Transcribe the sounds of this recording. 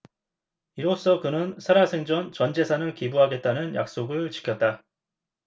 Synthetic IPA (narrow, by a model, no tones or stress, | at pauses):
iɾos͈ʌkɯnɯnsʰaɾasʰe̞ŋd͡ʑʌnt͡ɕʌnd͡ʑe̞sʰanɯɭkibuɦaɡe̞t̚t͈anɯnja̰k̚s͈oɡɯɭt͡ɕi̥kʰjʌt̚t͈a